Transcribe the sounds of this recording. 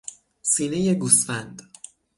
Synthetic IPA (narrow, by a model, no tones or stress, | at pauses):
siːne̞je̞ɡuːsfænd̪